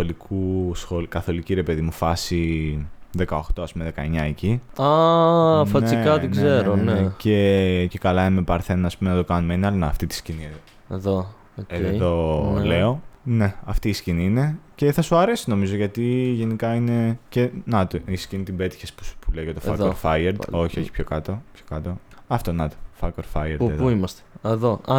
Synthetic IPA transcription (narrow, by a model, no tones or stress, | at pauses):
olikʰusxolkɐθo̞liciɾe̞peðimufɐsi | ðe̞kɐoxt̪o̞ɐspume̞ðekɐe̞ɲɐeciɐ | fɐnt͡sikɐt̪inɡzeɾonecece̞kɐlɐimepɐɾθe̞nɐspume̞nɐt̪o̞kɐnumeineɐlnɐɐft̪it̪i̥scinie | eðo | oeðole̞o̞ne̞ɐft̪isciniine̞ce̞θɐsuɐɾe̞sino̞mizo̞ʝɐt̪iʝe̞nikɐine̞ce̞nɐt̪oisciinit̪ibe̞t̪i̥çespu̥spuleoʝɐt̪ofɐkoɾfɐjeɾd̪o̞çio̞çi̥pçokɐt̪opçokɐt̪oɐft̪onɐt̪o̥fɐkoɾfɐjeɾd̪eðuimɐst̪e̥eðoɐ